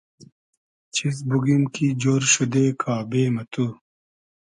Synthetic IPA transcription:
t͡ɕʰis̬buɡimkid͡ʑoːɾɕud̪eːkʰaːbeːmɐt̪u

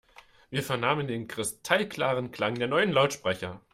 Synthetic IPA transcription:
viːɐfɛɐnaːməndeːnkʁ̥ɪstʰalkl̥aːʁənkl̥aŋdeːɐnɔʏənlaʊtʃpʁ̥ɛçɐ

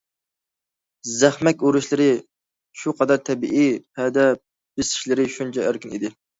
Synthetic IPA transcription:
zæχmɛkʲuɾuʃlˠɪɾɪ | ʃuqʰɑd̪ɑɾt̪ʰɛbiʔipʰɛd̪ɛ | b̥ɪsɪ̥ʃlɪɾɪʃunt͡ʃʰɛʔeɾkʲinḭd̪ɪ

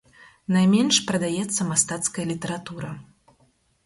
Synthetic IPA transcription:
najmʲɛnʂpɾɐd̪ajɛt̪sːɐmast̪at̪skɐjɐlʲit̪ɐɾat̪uɾɐ

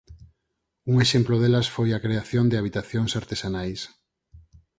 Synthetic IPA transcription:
uŋeʃemploðelɐsfojakɾeaθjond̪ɪaβ̞it̪aθjoŋsaɾt̪esanajs

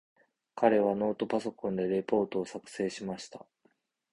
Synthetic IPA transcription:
kaɾe̞β̞ano̞ːt̪o̞paso̞kõ̞nd̪e̞ɾe̞po̞ːt̪o̞ːsakɯ̟̥se̞ːɕimaɕi̥t̪a

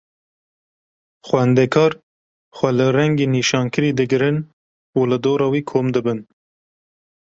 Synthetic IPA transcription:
xʷwɛnd̪ɛkʰɑːɾ | xʷɛlɨɾɛŋɡeːniːʃɑːnkʰɨɾiːd̪ɨɡɨɾɨn | ulɨd̪oːɾɑːwiːkʰoːmd̪ɨbɨn

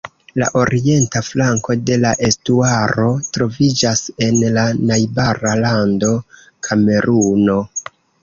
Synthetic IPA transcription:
la̰ʔo̞ɾie̞ntaflaŋko̞de̞laʔe̞stuaɾo̞tɾo̞vid͡ʒase̞nlanajbaɾalando̞ | kʰame̞ɾuno̞

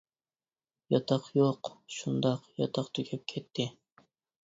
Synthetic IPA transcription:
jɑt̪ʰɑqjoqʃund̪ɑqjɑ̰t̪ʰɑqt̪ʰykʲʰɛp̚kʲʰɛt̪ʰːɪ

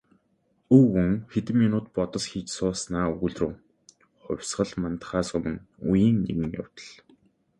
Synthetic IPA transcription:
ɵwɵŋxet̪ɘ̆mːinuːt̪̚pɔt̪ɞ̆sxiːt͡ɕsʊːsnaːuɣɵ̆ɮrŭː | χʊ̰wʲsɢə̆ɮmant̪χaːsʊmɘ̆ŋujiːŋːḭɣɘ̆ŋja̰w̥t̪ə̥̆ɮ̥

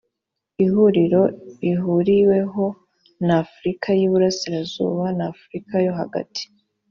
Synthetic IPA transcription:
ihuɾiɾo̞iɦuɾiwe̞ɦo̞ | nafuɾikʰajuβuɾasiɾazṵːβanaːfuɾikajo̞ɦa̰ɡa̰tʰi̥

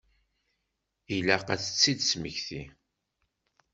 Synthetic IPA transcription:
ilæqæθə̥t͡sːid̪sməçθi

